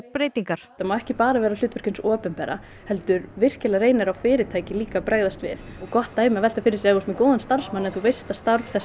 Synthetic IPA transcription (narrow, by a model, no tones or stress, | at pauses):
pɾeːjt̪iŋkaɾ̥t̪amawɛhcɪpaːɾavɛːɾal̥ʏːt̪vʏɾ̥cʏnsɔːpɛnpɛːɾa̰ | hɛlt̪ʏɾvɪr̥cɛlareːjnɪɾawfɪːɾɪt̪ʰaːjcɪliːkapɾaːjɣðast̪vɪ̰ðɔɣkɔht̪ːaːjmɪavɛl̥t̪afɪɾɪ̥sjɛðost̪mɛkoːðʏnst̪ar̥smanɛnθuvejst̪ast̪aɾvθɛs